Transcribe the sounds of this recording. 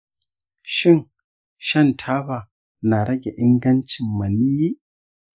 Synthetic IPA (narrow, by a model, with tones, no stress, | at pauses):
ʃɪ˦˨ŋ | ʃɐ˦ntʰaː˦baː˨ | na˨ɾɐ˦ɡʲe˨ʔɪ˦ŋɡɐ˦nt͡ʃɪ˨mːɐ˨ni˦j